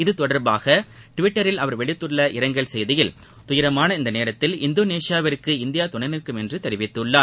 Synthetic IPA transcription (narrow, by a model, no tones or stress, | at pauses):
ɪðɯt̪ɔɽɐɾbaːɣɐ | ʈʊʋɪʈːɐɾɪlɐʋɐɾʋɛɭɪt̪ːɯɭːɐʔɪɾɐŋɡɐɭsɛjðɪjɪl | t̪ʊjɪɾɐmaːnɐɪnd̪ɐneːɾɐt̪ːɪlɪ̰nd̪oːneːsɪjaːʋɐɾɯkːɯɪnd̪ɪjaːt̪ʊɳɐnɪkːɯmɛndrɯt̪ɛɾɪʋɪt̪ːɯɭːaːɾ